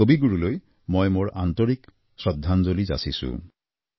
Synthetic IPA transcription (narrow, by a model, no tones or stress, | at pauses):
obiɡuɹuloj | mojmoɹant̪ɔɹik | sɹɔd̪ʱːanzoliza̰sisṵ̃